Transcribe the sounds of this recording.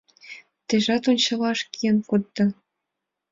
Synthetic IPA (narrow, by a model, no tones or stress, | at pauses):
t̪eʒɑt̪ont͡ɕɤ̆lɑʃkiənkot̪ːɤ̆